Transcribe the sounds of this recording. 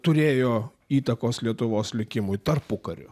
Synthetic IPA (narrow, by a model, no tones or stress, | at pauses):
t̪ʊɾʲeːjoː | iːt̪ɐkoːslʲiɛt̪ʊʋoːslʲɪkʲɪmʊjt̪ɐɾpʊkɐɾʲʊ̰